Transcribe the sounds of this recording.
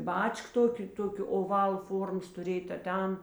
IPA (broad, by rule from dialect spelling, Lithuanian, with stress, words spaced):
ˈbɐt͡ʃk ˈtoːkʲeː ˈtoːkʲoː oːˈʋɐlˠ ˈfoːrmoːs tʊˈrʲeːj tɐ ˈtʲɛn